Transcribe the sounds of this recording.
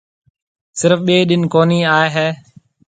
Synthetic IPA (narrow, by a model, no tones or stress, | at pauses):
sɪɾəfɓeːɗɪnkoːniːaːeɦɛː